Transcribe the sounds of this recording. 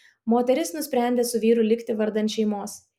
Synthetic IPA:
moːt̪ʲɛɾʲɪsnʊsʲpʲɾʲæˑnʲd̪ʲeːsʊʋʲiːɾʊlʲɪkʲt̪ʲɪʋɐɾd̪ɐnʲt̪ʃʲɛɪmoːs

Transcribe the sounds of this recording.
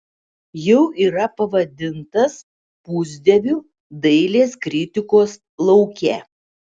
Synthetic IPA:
jɛʊʔiːɾɐpɐʋɐd̪ʲɪnt̪ɐs | pʊzʲd̪ʲɛʋʲuː | d̪ɐɪlʲeːskɾʲɪt̪ʲɪkoːs | lˠɐʊkʲɛ

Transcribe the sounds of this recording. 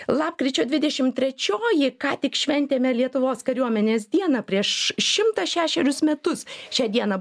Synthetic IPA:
lˠɑːp̚kɾʲit͡ʃʲoːd̪ʲʋʲɪd̪ʲɛʃʲɪmt̪ʲɾʲɛt͡ʃʲoːjɪkɑːt̪ʲɪkʃʲʋʲɛnʲt̪ʲeːmʲɛlʲiɛt̪ʊʋoːskɐɾʲuɔmʲɛnʲeːsd̪ʲiɛnɐpʲɾʲiɛʃʃʲɪmt̪ɐʃʲæːʃʲɛɾʲʊsmʲɛt̪ʊsʃʲɛːd̪ʲiɛnɐ

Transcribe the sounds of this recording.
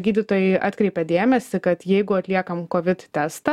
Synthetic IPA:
ɡʲiːd̪ʲɪt̪oːjɛɪʔɑ̰ːt̪ʲkɾʲɛɪpʲɛd̪ʲeːmʲɛsʲɪkɐt̪jɛɪɡʊɐt̪ʲlʲiɛkɐmkoːʋʲɪt̪t̪ʲæːst̪ɐ

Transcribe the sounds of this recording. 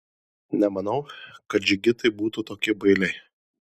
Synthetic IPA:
nʲɛmɐn̪ɐʊkɐt̪̚d͡ʒʲɪɡʲɪt̪ɐɪbuːt̪ut̪oːkʲɪbɐɪlʲɛɪ

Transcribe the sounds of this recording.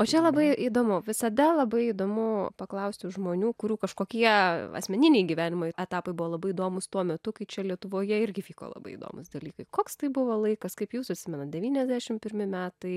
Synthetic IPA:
oːt͡ʃʲɛlˠɐbɐɪiːd̪oːmʊʋʲɪsɐd̪ɐlˠɐbɐɪid̪oːmʊpɐklˠɐʊsʲtʲɪʊʒmoːnʲuːkʊɾʲuːkɐʃkoːkʲiɛɐ̰sʲmʲɛnʲɪnʲɛɪɡʲiʋʲæːnʲɪmoːɪtːɛt̪ɑːpɐɪbʊʋoːlˠɐbɐɪɪːd̪oːmʊst̪uɔmʲɛt̪ʊkɐɪt͡ʃʲɛlʲiɛt̪ʊʋoːjɛɪɾʲɡʲɪfʲiːko̰ːlˠɐ̰bɐɪḭd̪o̰ːmʊ̰sd̪ɐlʲiːkɐɪkoːkst̪ɐɪbʊʋoːlˠɐɪkɐskɐɪpjuːsʊɐt̪ʲsʲɪmʲɛnɐt̪̚d̪ʲɛʋʲiːnʲɛzʲd̪ʲæːʃʲɪmpʲɪɾʲmʲɪmʲæːt̪ɐɪ

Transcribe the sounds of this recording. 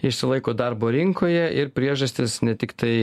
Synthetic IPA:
ɪʃʲsʲɪlˠɐɪkoːd̪ɑɾboːɾʲɪŋkoːjɛʔɪɾpʲɾʲiɛʒɐsʲt̪ʲɪsnʲɛt̪ʲɪkt̪ɐɪ

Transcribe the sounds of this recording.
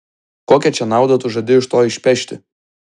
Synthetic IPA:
koːkʲɛt͡ʃʲɛnɑˑʊd̪ɐt̪ʊʒɐd̪ʲɪɪʃt̪oːɪʃʲpʲɛʃʲt̪ʲɪ̰

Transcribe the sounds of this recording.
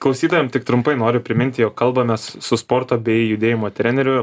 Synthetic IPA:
klˠɐʊsʲiːd̪oʋʲɛmt̪ʲɪkt̪ɾʊmpɐɪnoːɾʲʊpʲɾʲɪmʲɪnʲt̪ʲɪjoːkkɐlˠbɐmʲɛssʊspoːɾt̪oːbʲɛɪjʊd̪ʲeːjɪmoːt̪ʲɾʲɛnʲɛɾʲʊ

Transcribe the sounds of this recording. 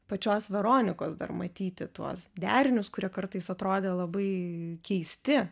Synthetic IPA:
pɐt͡ʃʲoːsʋʲɛɾoːnʲɪkoːsd̪ɐ̰rmɐt̪ʲiːt̪ʲɪt̪uɔsd̪ʲæːɾʲɪnʲʊskʊɾʲiɛkɐɾt̪ɐɪsɐt̪ɾoːd̪ʲeːlˠɐbɐɪkʲɛɪsʲt̪ʲɪ

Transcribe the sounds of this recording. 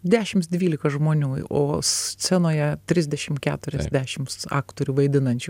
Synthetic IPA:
d̪ʲæːʃʲɪmsd̪ʲʋʲiːlʲɪkɐʒmoːnʲuːoːst͡sʲɛnoːjɛt̪ʲɾʲɪzʲd̪ʲɛʃʲɪmkʲæ̰ːt̪ʊɾʲɛzʲd̪ʲæːʃʲɪmsɑ̰ːkt̪oːɾʲuːʋɐɪd̪ʲɪnɐnʲt͡ʃʲu

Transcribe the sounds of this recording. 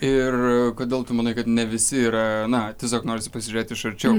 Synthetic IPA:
ɪrkoːd̪ʲeːlˠt̪ʊmɐnɐɪkɐt̪nʲɛʋʲɪsʲɪiːɾɐnɐt̪ʲɛs̬ʲoːknoːɾʲɪsʲɪpɐsʲɪʒʲʊɾʲeːt̪ʲɪʃɐɾʲt͡ʃʲɛʊ

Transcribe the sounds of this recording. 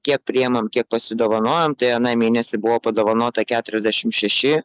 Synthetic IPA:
kʲiɛk̚pʲɾʲɪɛmɐmkʲiɛk̚pɐsʲɪd̪oːʋɐnoːjomt̪ɐɪɐnɑɪmʲeːnʲɛsʲɪbʊʋoːpɐd̪oːʋɐnoːt̪ɐkʲæːt̪ʊɾʲɛzʲd̪ʲæʃʲɪmt̪ʃʲɛʃʲɪ

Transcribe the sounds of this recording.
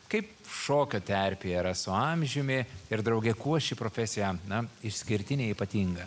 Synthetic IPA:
kɐɪp | ʃoːkʲoːt̪ʲɛɾʲpʲeiːɾɐsʊɐmʲʒʲʊmʲɪɪɾd̪ɾɐʊɡʲɛkuɔʃʲiːpɾoːfʲɛsʲɪjɛnɐɪʃʲsʲkʲɪɾʲt̪ʲɪnʲeːiːpɐt̪ʲiːŋɡɐ

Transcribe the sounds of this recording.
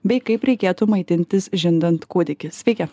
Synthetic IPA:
bʲɛɪkɐɪpɾʲɛkʲeːt̪ʊmɐɪt̪ʲɪnʲt̪ʲɪsʒʲɪnd̪ɐnt̪kuːd̪ʲɪkʲɪsʲʋʲɛɪkʲɛ

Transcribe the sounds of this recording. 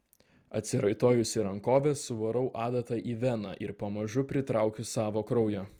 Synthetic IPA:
ɐ̰t̪ʲsʲɪɾɐɪt̪oːjʊsʲɪɾɐŋkoːʋʲɛsʊʋɐɾɔʊʔɑːd̪ɐt̪ɐʔiʋʲɛnɐ̰ʔɪɾpɐmɐʒʊpʲɾʲɪt̪ɾɑˑʊkʲʊsɑːʋoːkɾɒʊjoː

